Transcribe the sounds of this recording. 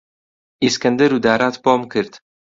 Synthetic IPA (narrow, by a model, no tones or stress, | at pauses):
iskɐnd̪əɾud̪aːɾaːt̪boːmkʰɨɾd̪